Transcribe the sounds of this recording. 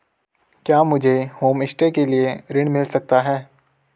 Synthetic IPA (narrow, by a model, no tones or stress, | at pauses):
kjaːmʊd͡ʒʱehoːmɪsʈekelieɾɪɽ̃mɪlsɐk̚t̪aɦɛː